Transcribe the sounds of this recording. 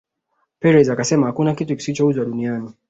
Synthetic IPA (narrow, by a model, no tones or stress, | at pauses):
pɛɾɛzakasɛmahakunakituki̥sit͡ʃɔuzwaɗuniani